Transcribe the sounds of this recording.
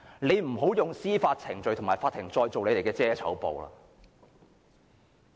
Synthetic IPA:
ne˨˧jm̩˨˩ɦo˨˥wjʊ˨ŋsiː˥faː˧t̚t͡sʰɪ˨˩ŋɵ˨˧ɥt̪ʰʊ˨˩maː˨˩jfaː˧t̪ʰːɪ˨˩ŋt͡sɔː˧jt͡so˨wle˨˧jle˨˩kɛː˧t͡sɛː˥t͡sʰɐ̰˨˥wpo̰˨wla̰ː˧

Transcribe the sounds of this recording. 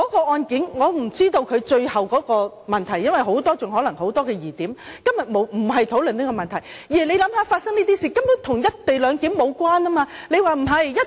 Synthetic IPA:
kɔː˨˥kɔː˧ɔː˧nkiː˨˥nŋɔː˨˧m̩˨˩t͡siː˥t̪o˧wkʰɵ˨˧ɥt͡ʃɵ˧ɥhɐ˨˩wkɔː˨˥kɔː˧ | mɐ˨nt̪ʰɐ˨˩jːɐ˥nwɐ˨˩jɦo˨˥wt̪ɔː˥t͡sʊ˨ŋɦɔː˨˥lɐ˨˩ŋɦo˨˥wt̪ɔː˥kɛː˧jiː˨˩t̪iː˨˥mkɐ˥mjɐ˨t̚mo˨˧wm̩˨˩ɦɐ˨jt̪ʰo˨˥wlɵ˨niː˥kɔː˧mɐ˨nt̪ʰɐ˨˩jjiː˨˩le˨˧jlɐ˨˥mhaː˨˧faː˧t̚sɐ˥ŋniː˥t̪iː˥siː˧kɐ˥mʊ˨˥t̪ʰʊ˨˩ŋjɐ˥t̚t̪e˨˩jlœː˨˧ŋkiː˨˥mmo˨˧wkwaː˥naː˥maː˧le˨˧jwaː˨˧m̩˨˩ɦɐ˨˩jjɐ˥t

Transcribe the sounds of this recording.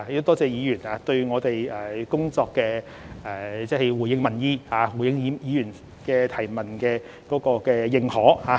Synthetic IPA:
t̪ʊ˥t̪ɔː˥t͡sɛː˨˧jiː˨˧jyː˨˩naː˧t̪ɵ˧ɥŋɔː˨˧t̪e˨jɛː˨kʊ˥ŋt͡sɔː˧kːɛː˧ | ɛ˨t͡sɛ˥˩hɐ˨jwuː˨˩jɪ˨˥ŋmɐ˨˩njiː˥haː˨˧wu˨˩jɪ˧˥ŋiː˨˧˥jiː˨˧jyː˨˩n | kɛː˧t̪ʰɐ˨˩jmɐ˨˩nkɛː˧ | kɔː˨˥kɔː˧kɛː˧jɪ˨ŋhɔː˨˥haː˨˧˦

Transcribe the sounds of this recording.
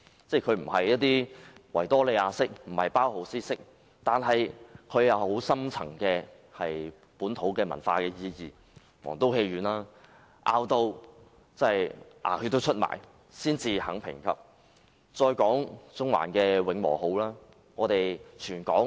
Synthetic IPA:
t͡sɛː˥˩kʰɵ˨˧ɥm̩˨˩hɐ˨jɐ˥t̚t̪iː˥wɐ̰˨˩jt̪ɔː˥le˨˧jaː˨˧sɪ˥k̚m̩˨˩hɐ˨jpaː˥who˨˥wsiː˥sɪ˥k̚ | t̪aː˨nɦɐ˨jkʰɵ˨˧ɥjɐ˨˧who˨˥wsɐ˥mt͡sʰɐ̰˨˩ŋkɛː˧ | hɐ˨j | puː˨˥nt̪ʰo˨˥wkɛː˧mɐ̰˨˩nfaː˧kɛː˧jiː˧jiː˨ | wɔ̰ː˨˩ŋt̪o˥whe˧jɥyː˨˥nlaː˥ | ʔaː˧wt̪o˧w | t͡sɐ˥˨˩jʔa̰ː˨˩kʰɵ˧t̪o˥wt͡ʃʰɵ˥t̚ma̰ː˨˩j | siː˥nt͡siː˧hɐ˨˥ŋpʰɪ̰˨˩ŋkʰɐ̰˨˥p̚ | t͡sɔː˧jkɔː˨˥ŋt͡sʊ˥ŋwa̰ː˨˩nkɛː˧wɪ˨˧ŋmɔ̰ː˨˩ɦo˨˥wlaː˥ | ŋɔː˨˧t̪e˨jt͡ʃʰyː˨˩nkɔː˨˥ŋ

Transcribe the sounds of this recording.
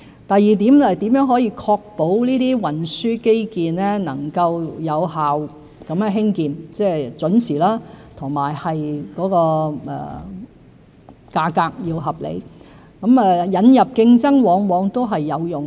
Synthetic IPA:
t̪ɐ˨jːiː˨t̪iː˨˥mɛː˨t̪iː˨˥mjœː˨˥ŋɦɔː˨˥jiː˧kʰɔː˧k̚po˨˥wniː˥t̪iː˥wɐ˨˩nsyː˥ke˥jkiː˨nɛː˥nɐ̰˨˩ŋkɐ˧wjɐ˨˧wɦaː˨w | kɐ˨˥mkɛ˨˧ɦɪ˥ŋkiː˨nt͡sɛː˥˩t͡sɵ˨˥nsiː˨˩laː˥t̪ʰʊ˨˩ŋmaː˨˩jhɐ˨jkɔː˨˥kɔː˧ʔɛ̰ː˨ | kaː˧kaː˧k̚jiː˧wɦɐ˨p̚lḛ˨˧j | kɐ˨˥mɛː˨jɐ˨˧njɐ˨p̚kɪ˧ŋt͡sɐ˥ŋwɔː˨˧ŋwɔː˨˧ŋt̪o˥wɦɐ˨jːɐ˨˧wjʊ˨˩ŋ

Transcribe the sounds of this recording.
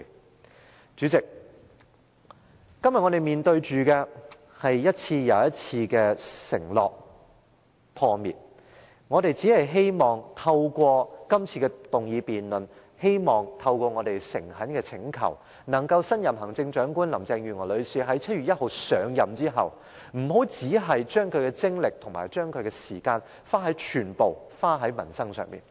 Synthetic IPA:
t͡ʃyː˨˥t͡sɪ˨k̚ | kːɐ˥mjɐ˨ŋɔː˨˧t̪e˨˩jmiː˨˩nt̪ɵ˧ɥt͡ʃyː˨kɛː˧ | hɐ˨jːɐ˥t̚t͡sʰiː˧jɐ˨˧wjɐ˥t̚t͡sʰiː˧kɛː˧sɪ̰˨˩ŋlɔ̰ː˨˩k̚ | pʰɔː˧mḭː˨˩t̚ | ŋɔː˨˧t̪e˨jt͡siː˨˥hɐ˨jɦe˥jmɔː˨˩ŋt̪ʰɐ˧wkʷɔː˧kɐ˥mt͡sʰiː˧kɛ˧t̪ʊ˨ŋjiː˧piː˨nlɵ˨˩n | he˥jmɔː˨ŋt̪ʰɐ˧wkʷɔː˧ŋɔː˨˧t̪e˨˩jsɪ˨˩ŋhɐ˨˥nkɛː˧t͡sʰɪ˨˧˥ŋkʰɐ̰˨˩w | nɐ˨˩ŋkɐ˧wsɐ˥njɐ˨mɦɐ˨˩ŋt͡sɪ˧ŋt͡ʃœː˨˥ŋkuː˥nlɐ˨˩mt͡sɛː˧ŋjyː˨ŋɔː˨˩lɵ˨˧ɥsiː˨˧ɦɐ˨˥jt͡sʰɐ˥t̚ɥyː˨t̚jɐ˥t̚ho˨˧wsœː˨˧ŋjɐ˨mt͡siː˥ɦɐ̰˨w | m̩˨˩ɦo˨˥wt͡siː˨˥ɦɐ˨jt͡ʃœː˥ŋkʰɵ˨˧ɥkɛː˧t͡sɪ˥ŋlɪ˨k̚t̪ʰʊ˨˩ŋma̰ː˨˩jt͡ʃœː˥ŋkʰɵ˨˧ɥkɛː˧siː˨˩kaː˧n | faː˥ɦɐ˨˥jt͡ʃʰyː˨˩npo˨w | faː˥ɦɐ˨˥jmɐ˨˩nsɐ˥ŋsœ̰ː˨ŋmḭː˨˩n

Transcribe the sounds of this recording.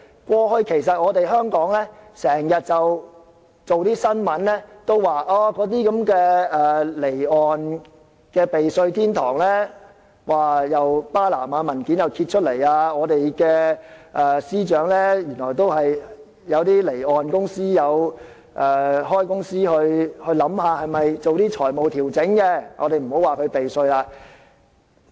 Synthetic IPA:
kʷɔː˧hɵ˧ɥkʰe˨˩js̬ɐ˨t̚ŋɔː˨˧t̪e˨jɦœː˥ŋkɔː˨˥ŋlɛː˥sɛː˨˩ŋjɐ˨t̚t͡sɐ˨w | t͡so˨wt̪iː˥sɐ˥nmɐ˨˥nlɛː˥t̪o˥wwaː˨ʔaː˧kɔː˨˥t̪̬iː˥kɐ˨˥mkɛː˧ɛː˨˩le˨˩jɔː˨n | kɛː˧pe˨jsɵ˧ɥt̪ʰiː˥nt̪ʰɔ̰ː˨˩ŋlɛː˥ | waː˨jɐ˨wpaː˥la̰ː˨˩maː˨˧mɐ˨˩nkiː˨˥njɐ˨˩wkʰi˧t̚t͡ʃʰɵ˥t̚le˨˩jaː˧ŋɔː˨˧t̪e˨jkɛː˧ʔɛː˨˩siː˥t͡ʃœː˨˥ŋlɛː˥jyː˨˩nlɔː˨˩jt̪o˥whɐ˨j | jɐ˨˧wt̪iː˥le˨˩jɔː˨˩nkʊ˥ŋsiː˥jɐ˨˧w | ʔɛː˨ɦɔː˥jkʊ˥ŋsiː˥hɵ˧ɥhɵ˧ɥlɐ˨˥mhaː˨˧hɐ˨jmɐ˨jt͡so˨wt̪iː˥t͡ʃʰɔː˨˩jmo˨wt̪ʰiː˨˩wt͡sɪ˨˥ŋkɛ˧ŋʔɔː˨˧ɾe˨jm̩˨˩ho˨˥waː˨kʰɵ˨˧ɥpe˨jsɵ˧ɥlaː˧

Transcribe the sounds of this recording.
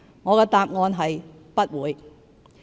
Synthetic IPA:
ŋɔː˨˧kɛː˧t̪aː˨p̚ŋɔː˧nɦɐ˨j | pɐ˥t̚wuː˨˧j

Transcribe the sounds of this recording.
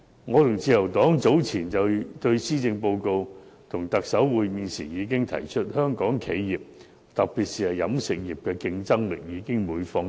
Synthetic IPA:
ŋɔː˨˧t̪ʰʊ˨˩ŋt͡siː˧jɐ˨˩wt̪ɔː˨˥ŋt͡so˨˥wt͡sʰiː˨˩nt͡sɐ˨wt̪ɵ˧ɥsiː˥t͡sɪ˧ŋpo˧wko˧wt̪ʰʊ˨˩ŋt̪ɐ˨k̚sɐ˨˥wwuː˨˧jmiː˨˧nsiː˨˩njiː˨˧k̬ɪ˥ŋt̪ʰɐ̰˨˩jt͡ʃʰɵ˥t̚hœː˥ŋkɔː˨˥ŋkʰe˨˥jjiː˨˩p̚ | t̪ɐ˨k̚piː˨t̚siː˨hɐ˨jɐ˨˥msɪ˨k̚ji˨p̚kɛː˧kɪ˧ŋt͡sɐ˥ŋlɪ̰˨k̚jiː˨˧kɪ˥ŋmuː˨˧jfɔː˧ŋ

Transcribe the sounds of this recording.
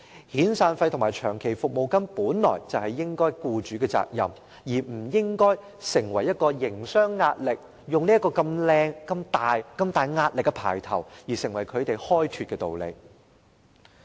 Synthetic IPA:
hiː˨˥nsaː˧nfɐ˧jt̪ʰʊ˨˩ŋmaː˨˩jt͡ʃʰœː˨˩ŋkʰe˨˩jfʊ˨k̚mo˨wkɐ˥npuː˨˥nlɔ̰ː˨˩jt͡sɐ˨whɐ˨jːɪ˥ŋkɔː˥jkuː˧t͡ʃyː˨˧˥kɛː˧t͡sa̰ː˧k̚jɐ̰˨m | jiː˨˩m̩˨˩jɪ˥ŋkɔː˥j | sɪ˨˩ŋwɐ˨˩jːɐ˥t̚kɔː˧jɪ˨˩ŋsœː˥ŋːaː˧t̚lɪ˨k̚ | jʊ˨ŋliː˥ɐ˥kːɔː˧kɐ˧mlɛː˧ŋkɐ˧mt̪aː˨jkɐ˧mt̪aː˨jŋaː˧t̚lɪ˨kːɛ˧pʰa̰ː˨˩jt̪ʰɐ˨˩wjiː˨˩sɪ˨˩ŋwɐ˨˩jkʰɵ˨˧t̪e˨jhɔː˥jt̪ʰyː˧t̚kɛː˧t̪o̰˨wlḛ˨˧j

